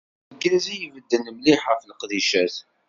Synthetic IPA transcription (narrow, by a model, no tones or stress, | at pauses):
ɡæzijvəd̪ːənəmliħfləqðiʃæθ